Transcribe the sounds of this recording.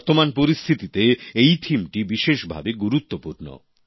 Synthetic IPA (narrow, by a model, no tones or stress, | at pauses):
ɾt̪omanpoɾist̪ʰit̪it̪eejt̪ʰimʈibiʃeʃbʱa̰beɡuɾut̪ːopuɾno̰